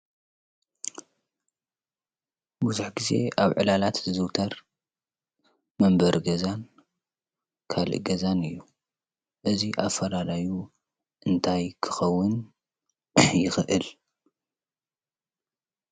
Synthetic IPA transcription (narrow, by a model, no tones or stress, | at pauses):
buzuħɡize̞̰ʔaβʕɨlalat̪zɨzɨwt̪ʰɐɾ | mɐmbɐɾɡɐzan | kʰalɨ̰ʔɡɐzanɨjːu | ʔɨziʔafɐlalaju | ʔɨnt̪ʰajkʰɨ̥xɐwːʊn | jɪxɨʔɨl